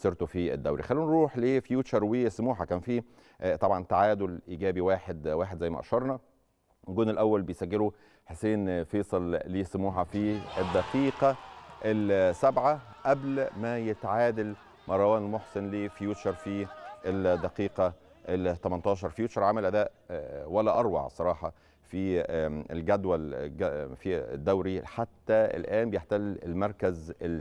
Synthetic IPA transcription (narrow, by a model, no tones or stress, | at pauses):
seɾt̪ofiḛd̪ːæwɾḭxælːiːnɾˤuːħleːfjuːt͡ʃɑɾˤweːsmuːħakæːnfiː | t̪ˤɑbʕɑnt̪aʕaːd̪olʔiɡæːbiwaːħed̪waːħed̪zæjːmæʔɑ̰ʃɑɾˤnɑ | ɡoːnelʔæwːælbejsæɡːelo | ħeseːnfeːsˤɑlliːsomuːħafied̪ːæqiːqɑʔelsæbʕaʔæblmæjet̪ʕaːd̪æl | mɑɾˤɑwæːnlmoħsenliːfjuːʃɑɾˤfiʔeld̪æqiːqɑ | ʔet̪æmænt̪ˤɑːʃ̬ɑɾˤfjuːt͡ʃɑɾˤʕamælʔæd̪æːʔwælːæʔɑɾˤwɑ̰ʕsˤɑɾˤɑːħɑ | fiḛlɡæd̪wælæfid̪ːæwɾiħat̪ːæḛlʔæːnbejeħt̪ælelmɑɾˤkæze